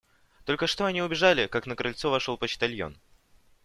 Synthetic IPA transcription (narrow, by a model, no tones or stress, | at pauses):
t̪o̞lʲkəʂt̪oɐnʲiʊbʲɪʐalʲɪkaknəkɾɐlʲt̪sovɐʂolˠpət͡ɕt̪ɐlʲjo̰n